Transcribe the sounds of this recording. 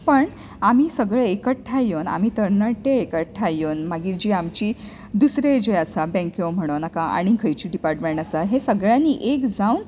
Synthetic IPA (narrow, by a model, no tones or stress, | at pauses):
pəɳ | amiːsəɡɭeekəʈʈʰːajona̰m̤iːt̪əɾnəʈːeekəʈʈʰːajonmaɡiːd͡ʑiːamt͡ɕiː | d̪usɾed͡ʑeasabɛ̃ŋkjom̤əɽ̃ownakaʔa̰ɽ̃ikʰəjt͡ɕiːɖipaɾʈmẽɳʈasaɦesəɡɭjãnːiʔekd͡zaun